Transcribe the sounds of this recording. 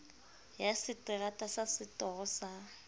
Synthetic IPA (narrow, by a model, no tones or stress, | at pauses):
jasɪtʼɪratʼasasɪtʼɔɣʊsa